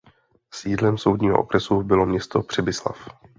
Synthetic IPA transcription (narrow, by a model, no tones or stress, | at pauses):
sjiːdlɛmso̞wdɲiːɦoʔokɾɛsubɪlo̞mɲɛst̪o̞pr̝̥ɛbɪsla̰f